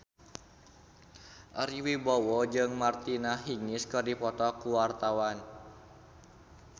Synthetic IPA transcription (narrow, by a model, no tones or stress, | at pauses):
ʔəɾiwibɔwɔd͡ʒɨŋmart̪inaɦiŋɪskərdipɔt̪ɔkuwart̪awan